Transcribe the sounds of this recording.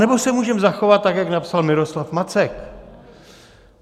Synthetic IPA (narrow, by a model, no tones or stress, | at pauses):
nɛbosɛmuːʒɛmzaxo̞vat̪̚ːakjaknapsalmɪɾo̞slafmat͡sɛk